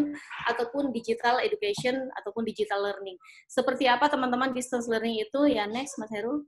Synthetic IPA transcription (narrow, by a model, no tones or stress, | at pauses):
nʔat̪awpʊndid͡ʒit̪aledukasiɔna̰t̪awpʊndid͡ʒit̪alːərnɪŋ | səpərt̪iapat̪əmant̪əmandist̪anslərnɪŋit̪ujanɛksmasaɾul